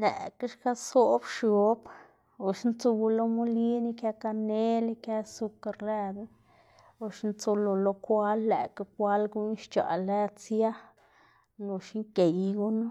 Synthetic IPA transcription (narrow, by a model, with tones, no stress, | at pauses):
lɛ̰˨ka˦ʂka˦so˦bʃo˨˦b | o˨ʃnt͡so˧ɡu˧lo˦mu˦li˦ni˧kja˧ka˧ne˦li˧kja˦su˧ka˧ɾle˧d̪ | o˧ʂnt͡so˧lo˧lo˧kʷa˦lːḛ˨ka˧kʷa˦lɡu˦n˦ʃt͡ʃa̰˨le˦t͡sja˦ | no˧ʃi˦ŋke˨jɡu˦na˦